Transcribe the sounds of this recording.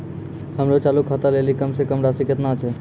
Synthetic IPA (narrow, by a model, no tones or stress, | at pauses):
həmɾot͡ʃaːlukʰat̪aleːlikəmsekəmɾasɪkət̪nat͡ʃʰe